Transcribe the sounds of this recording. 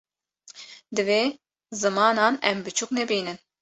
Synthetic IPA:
d̪ɨveː | zɨmɑːnɑːnɛmbɨt͡ʃʰuknɛbiːnɨn

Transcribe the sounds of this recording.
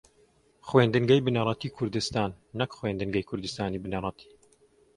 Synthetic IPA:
xweːnd̪ɨŋɡɐjbɨnɐɾˤɑt̪iːkʰʊɾd̪ɨst̪aːnːɐkχweːnd̪ɨŋɡɐjkʰʊɾd̪ɨst̪aːniːbɨnɐrˤɑt̪ʰi̥ː

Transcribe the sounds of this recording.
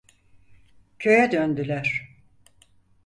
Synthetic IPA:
cʰø̞jɛd̪ønd̪ylʲæɾ̥

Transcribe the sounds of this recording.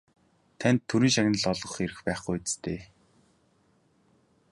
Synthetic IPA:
t̪ʰænʲt̪ʰːɵɾiːnʃaɣnə̆ɮɔɮʁɞ̆χeɾɘ̆xpæːχɡujet͡s̆t̪ʰeː

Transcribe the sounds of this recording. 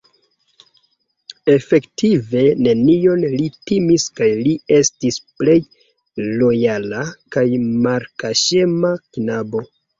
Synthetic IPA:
e̞fe̞ktive̞ne̞nio̞nlitimiskajlie̞stisple̞j | lo̞jalakajmaɾkaʃemaknabo̞

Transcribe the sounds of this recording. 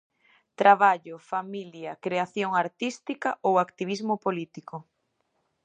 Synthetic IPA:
t̪ɾaβaʎʊfamiljakɾeaθjoŋaɾt̪ist̪ikaʔowakt̪iβizmopolit̪ikʊ

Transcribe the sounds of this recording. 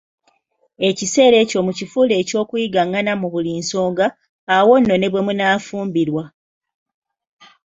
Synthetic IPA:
e̞cise̞ːɾe̞ːco̞mucifuːle̞ːco̞ːkujiɡaŋːanamuβuliːnso̞ːŋɡaː | wo̞nːo̞ne̞βwe̞munaːfuːmbiɾwa

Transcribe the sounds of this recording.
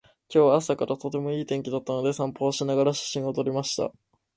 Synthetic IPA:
kʲo̞ːβaːsakaɾat̪o̞t̪e̞mo̞iːt̪ẽ̞ŋkʲid̪at̪ːano̞d̪e̞sãmpo̞ːɕinaɡaɾaɕḁɕĩɰ̃ot̪o̞ɾʲimaɕi̥t̪a̰

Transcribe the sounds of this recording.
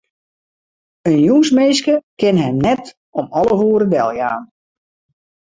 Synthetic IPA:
ənjuŋsmeːskəkɪnɦɛjmnɛt | ɔmɔləɦuəɾədɛ̰lˠja̰ːn

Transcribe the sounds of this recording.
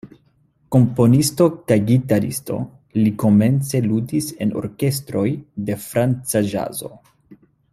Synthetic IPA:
ko̞mpo̞nisto̞kajɡitaɾḭsto̞̰ | liko̞me̞nt͡se̞ludise̞no̞̰ɾke̞s̬tɾo̞jde̞fɾant͡saʒa̰zo̞̰

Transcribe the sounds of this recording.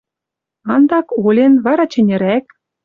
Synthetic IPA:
ɑnd̪ɑkolʲenβɑɾɑt͡ɕɘ̆nʲĕɾæk̚

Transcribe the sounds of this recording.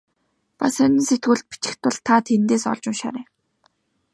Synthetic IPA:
pasœnʲɪ̆nset̪ɡuːɮt̪̚pi̥t͡ɕɪ̥̆xt̪ʰʊ̆ɮt̪ʰat̪ʰent̪eːsɔ̰ɮt͡ɕʊ̆ŋʃa̰ːɾeː

